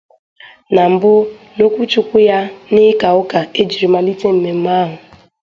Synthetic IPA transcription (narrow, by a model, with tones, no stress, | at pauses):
na˨m̩˨bʊ˦ | no˦kʷu˦t͡ʃu˦kʷʊ˦ja˦nɪ˦ka˨ʊ˦ka˨e˦d͡ʒi˨ɾi˨ma˦li˦te˦m̩˨me˨m̩˦ma˦ɦʊ˨